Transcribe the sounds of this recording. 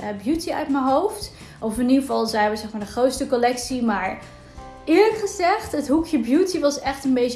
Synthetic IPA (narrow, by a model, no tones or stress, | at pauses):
əbjutiœ̰ɥtməɦowft | ʔɔfɪniəvɑlˠzɛjnʋəzɛkmaːdəχrowtstəkɔlɛksimaːɹ | ɪːɹləkχəzɛχtɦətɦukʰjəbjutiʋɑsɛχtənbej